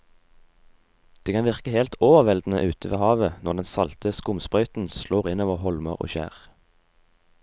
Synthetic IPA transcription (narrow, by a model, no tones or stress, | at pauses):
d̪̥eːkʰɑnʋɪʁkəheːlt̪ʰoːʋəʁʋɛld̪n̩ə̰ʔʉːt̪ʰəʋḛːhɑːʋənɔʁd̪ɛnsɑlt̪əskʊmspʁœʏt̪n̩sloːʁɪnoːʋəʁhɔlməʁo̰ːʃæ̰ːʁ